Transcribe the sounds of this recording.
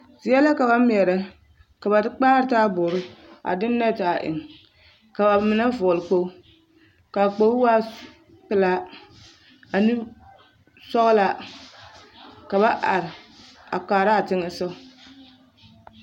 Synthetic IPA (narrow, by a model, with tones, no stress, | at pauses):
zɪ˨˦ɛ˦la˦ka˨ba˦mi˨ɛ˨ɾa˨ | ka˨ba˨dɨ˦k͡paː˦ɾɨ˦taː˦bʊ˨ɾɪ˦a̰˨dɪ˦nː˦ɛ˦ta˨ʔɪ̰˨ŋ | ka˨ba˨mɪ˨na˦vʊ˨ʊ˨lɨ˨k͡po˦ | ka˨k͡po˨˦wa˦ | pɨ˦la˦ | a˨nɨ˦ | sɔ˦ɣla˨ | ka˨ba˦ʔa̰˨ɾɪ˨a̰˨k͡paː˨ɾa˦a˨tɪ˦ŋɨ˨sa˦˨